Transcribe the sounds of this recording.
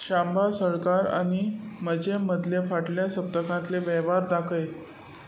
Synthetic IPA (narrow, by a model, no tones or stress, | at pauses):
ɕãmbʱasəɭkaɾa̰ñiməd͡ʑeməd̪ʱljefaʈljasəp̚t̪əkãt̪leʋɛʋaɾd̪akʰəj